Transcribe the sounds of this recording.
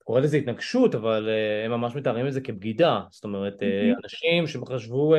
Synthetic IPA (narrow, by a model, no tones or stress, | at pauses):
ko̞ʁelezeitnaɡʃutavaleemːamaʃmetaʁimetzeke̞b̚ɡidast̪o̞me̞ʁeteanaʃimʃemχaʃvu